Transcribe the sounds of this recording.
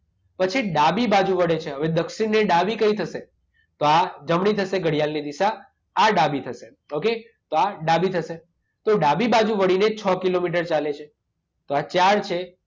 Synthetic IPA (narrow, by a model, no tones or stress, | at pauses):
pət͡ʃʰiɖabibad͡ʒũʋəɽet͡ʃʰeɦəʋed̪əkʃinneɖabikəit̪ʰəʃe | t̪oad͡ʒəmɳit̪ʰəʃeɡəɽijalnid̪iʃaː | ɖabit̪ʰəʃe | oke | t̪oaɖabit̪ʰəʃe | t̪oɖabibad͡ʒuʋəɽinet͡ʃʰɔkilomiʈ̬əɾt͡ʃalet͡ʃʰe | t̪oat͡ʃaɽt͡ʃʰe